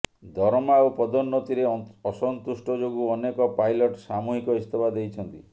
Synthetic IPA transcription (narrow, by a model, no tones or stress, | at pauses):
d̪ʱɔɾmaopɔd̪ɔnːɔt̪iɾeɔsɔnt̪usʈɔd͡ʒoɡuɔnekɔpajlɔʈsamuɦikɔist̪ʰebad̪ejt͡ʃʰɔnt̪i